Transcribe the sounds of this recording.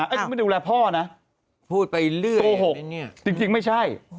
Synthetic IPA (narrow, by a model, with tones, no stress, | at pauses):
ʔa˦˥˩m˥˩duː˧lɛː˧˥pʰɔː˥˩na˦˥ | pʰuː˥˩t̪̚pa˧jlɯ˥˩ɐoː˧ɦo˨˩˥t͡ɕi˧ŋt͡ɕi˧ŋma˥˩jt͡ɕʰa˥˩j